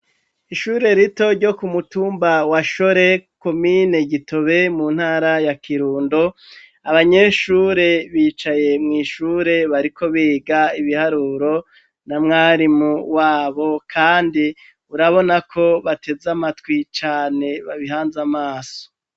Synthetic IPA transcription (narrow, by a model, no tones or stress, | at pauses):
iʃuːɾe̞ɾito̞ɾɟo̞kumutuːmbawaʃoɾe̞ko̞mine̞ɟito̞βe̞munhaːɾajakʰiɾuːndo̞ | aβaɲe̞ʃuːɾe̞βiːt͡ʃaje̞mŋiːʃuːɾe̞βaɾikʰo̞βiːɡaiβihaɾuːɾo̞ | namŋaːɾimuwaːβo̞kʰaːndi | uɾaβo̞nakʰo̞βatʰe̞zamatwit͡ʃaːne̞βaβiɦaːnzamaːso̥